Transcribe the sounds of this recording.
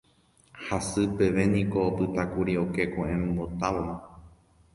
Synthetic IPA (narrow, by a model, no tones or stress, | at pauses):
hasɨpe̞ʋe̞nĩko̞pɨt̪akuɾio̞ke̞koʔẽmbo̞t̪aʋomã